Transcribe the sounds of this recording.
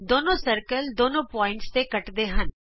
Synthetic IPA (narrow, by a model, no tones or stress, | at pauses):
d̪oːnõːsəɾkəld̪oːnõːpɔːɪ̃ɳʈst̪eːkəʈd̪eːɦən